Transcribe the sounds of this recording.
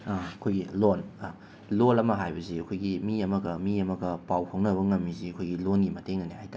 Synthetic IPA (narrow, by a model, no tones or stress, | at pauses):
aɐkʰojɡilona | lolɐmɐɦajbɐziɐkʰojɡimiɐmɐɡɐmiɐmɐɡɐpawkʰoŋnɐbɐŋɐmːiziɐkʰojɡilonɡimɐteŋnɐnehajta